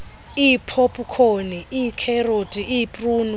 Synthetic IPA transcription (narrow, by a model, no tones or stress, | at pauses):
ipʰopʼukʰoniikʰɛrotʼiʔipʼrun